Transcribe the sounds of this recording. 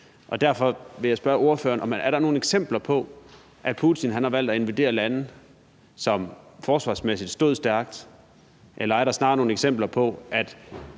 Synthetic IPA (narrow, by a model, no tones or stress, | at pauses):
ʔɒ̽d̥æɐfɒ̽ʋe̝jɑ̈ɪsb̥ɶɐʔo̝ɐfø̰ːɐnʔɒ̽mæɐɾɑno̝ːn̩eɡ̥sem̰b̥lɐpʰɒ̽ | ʔæ̥pʰut͡sʰinɦænhɑ̈ʋæl̰d̥æe̝nʋid̥e̝̰ːɐlænð̩ | sɒ̽mfɒːsʋɑ̰̈ːsmesid̥sd̥ɔ̽ðˠsd̥æɐɡ̥d̥ | ʔelɐæɐɾɑ̈snɑ̈ːno̝ːneɡ̥sem̰b̥lɐpʰɒ̽ʔæd̥